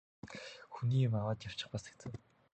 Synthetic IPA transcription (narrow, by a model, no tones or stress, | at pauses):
xuniːmawaːt̪jaw̥t͡ɕɪ̆χpasə̥̆k̚t͡sʰə̆w